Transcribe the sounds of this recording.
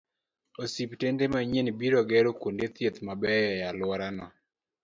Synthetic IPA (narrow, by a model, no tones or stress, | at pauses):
osiptendemaɲenbiɾoɡɛɾokondet̪jet̪mabɛjalwɔɾanɔ̰